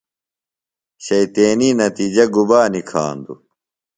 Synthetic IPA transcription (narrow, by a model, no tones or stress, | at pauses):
ɕɐjt̪eːninɐt̪iːd͡ʑɐɡubaːnikʰa̰ːnd̪ṵ